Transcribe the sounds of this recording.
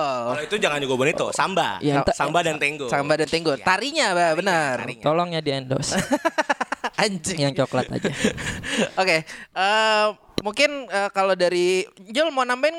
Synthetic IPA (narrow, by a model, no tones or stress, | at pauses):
it̪ud͡ʒaŋand͡ʒaɡobɔnit̪usa̰mba̰jasambadant̪eŋɡosambadant̪eŋɡot̪aɾiɲababənərt̪ɔlɔŋɲadiɛndɔ̰s | aɲt͡ʃɪjaŋt͡ʃoklat̪a̰d͡ʒa | okeə | muŋkɪnəːkalodaɾiɲd͡ʒʊlmanampaɪn